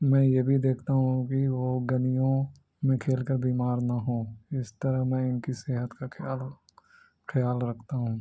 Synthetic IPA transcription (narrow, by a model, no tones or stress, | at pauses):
mɛ̃ːjebʱid̪eːkʰt̪aɦũkiʋoːɡɐnijõ | mẽkʰeːlkəɾbiːmaːɾnaɦõːɪst̪əɾəɦmɛ̃ɪnkiseːɦət̪kaː | xɐjaːlɾɐkʰt̪aɦũː